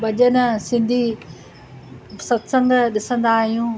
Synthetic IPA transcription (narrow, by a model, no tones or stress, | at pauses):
ɓɐʄənəsɪ̃nd̪ʱi | sɐt̪sə̃ŋɡɗɪsə̃nd̪aːɦijũː